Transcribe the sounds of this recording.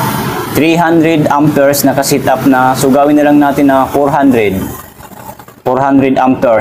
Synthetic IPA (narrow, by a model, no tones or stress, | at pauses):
t̪ɾiɦand̪ɾɛd̪amt̪ɛɹsnɐkɐsɛt̪ʔap̚nɐsʊɡaːwɪnːɐlaŋnaːt̪ɪnːɐfɔɾɦand̪ɾɛd̪̚ | fɔɹhand̪ɾɛd̪ʔamt̪ɛɹ